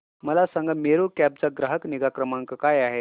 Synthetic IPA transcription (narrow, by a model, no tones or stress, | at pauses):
məlasãŋɡameɾokæb̚t͡saɡɾəɦəkniɡakɾəmaŋkəkajaɦe